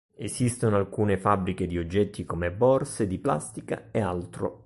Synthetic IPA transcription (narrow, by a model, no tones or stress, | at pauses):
esist̪onoalkuːnefabːɾiked̪iod͡ʒːɛt̪ːikomebɔrsed̪ipla̰st̪ika̰ealt̪ɾo̰